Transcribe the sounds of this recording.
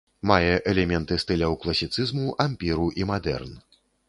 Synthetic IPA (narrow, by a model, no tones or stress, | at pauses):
majɛʔɛlʲɛmʲɛnt̪ɨst̪ɨlʲɐwklˠɐsʲit̪sɨzmuʔamʲpʲiɾuʔimad̪ɛ̰rn